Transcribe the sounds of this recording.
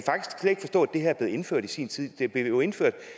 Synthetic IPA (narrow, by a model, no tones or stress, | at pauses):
fɑ̈ɡ̥d̥isɡ̥se̥e̝ɡ̥fɒ̽sd̥ɔ̰̽ːæd̥e̝hæɐb̥le̝ːð̩ˠe̝nføɐ̰d̥isḭːnt͡sʰið̰ˠd̥eb̥le̝joe̝nføɐ̰d̥